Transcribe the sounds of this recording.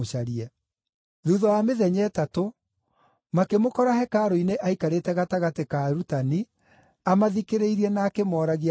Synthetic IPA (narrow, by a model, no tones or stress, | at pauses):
ʃaɾiɛ | ðuðɔjameðɛɲɛːtato | makemokɔɾahɛkaɾoineʔaikaɾetɛɣataɣatekaɾutani | amaðikeɾeiɾiɛnaːkemɔːɾaɣ